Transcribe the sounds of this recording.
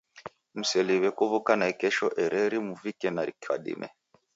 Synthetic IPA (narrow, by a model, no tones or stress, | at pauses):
m̩sɛliβɛkuβukanaɛkɛʃɔʔɛɾʔɛɾimuvikɛnaɾḭkwa̰ɗḭmʔɛ̰